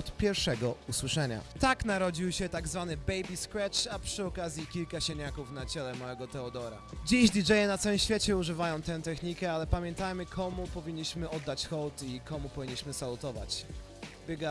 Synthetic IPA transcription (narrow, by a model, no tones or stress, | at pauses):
ɔt̪pʲjɛɾfʂɛɡɔuswɘʂɛɲa̰t̪aknaɾɔd͡ʑiwɕɛt̪aɡzvanɘbɛjbʲiskɾɛt͡ʂapʂɘɔkazʲjikʲilkaɕeɲakufn̪at͡ɕɛlɛmawɛɡɔt̪ɛɔd̪ɔɾa̰d͡ʑiʑd̪ʲid͡ʐɛjɛnat̪sawɘmɕfʲet͡ɕɛuʐɘvajɔ̃w̃t̪ɛw̃t̪ɛxɲikɛalɛpamʲjɛnt̪ajmɘkʰɔmupɔvʲiɲːiɕmɘɔd̪ːat͡ɕxɔwt̪ikɔmupɔvʲiɲːiɕmɘsalut̪ɔva̰t͡ɕ | bʲɛɡa